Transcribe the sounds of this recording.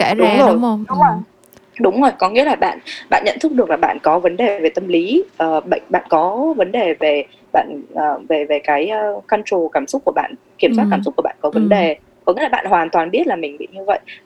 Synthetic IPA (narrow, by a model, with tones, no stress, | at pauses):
kɛ˧˥ɗʊ˨˦ŋ͡mzo˨˩jɗʊ˨˦ŋ͡m | ɗʊ˨˦ŋ͡mzo˨˩jkɔ˨˦ŋḭ˧˥əlaː˨˩ɓa̰ː˧˨nɓa̰ː˧˨nɲə̰˧˨nt̪ʰɨ˦˥k̚ɗɨ˨˩ək̚la˨˩ɓa̰ː˧˨nkɔ˨˦və˨˦nɗe˨˩ve˨˩t̪ə˧mli˨˦ʔəː˨˩ɓə̰˧˨jŋ̟ɓa̰ː˧˨nkɔ˨˦və˨˦nɗe˨˩ve˨˩ | ɓa̰ː˧˨nʔəː˨˩ve˨˩ve˨˩kaː˨˦jəː˧˩ka˧nt͡ɕo˨˩kaː˧˩msʊ˦˥k͡p̚ku˧˩əɓa̰ː˧˨n | ki˧˩əmswaː˦˥tkaː˧˩msʊ˦˥k͡pku˧˩əɓa̰ː˧˨˩kɔ˨˦və˨˦nɗe˨˩ | kɔ˨˦ŋi˧˥˦laː˨˩ɓa̰ː˧˨nhwaː˨˩nt̪waː˨˩nɓi˦˥ət̚laː˨˩mï˨˩ŋ̟ɓḭ˧˨ɲɨ˧və̰˧˨j